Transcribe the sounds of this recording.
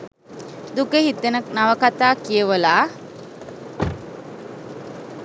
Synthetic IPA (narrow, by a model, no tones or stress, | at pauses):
d̪ukeɦit̪ːenək̚naʋəkat̪aːkijəʋəlaː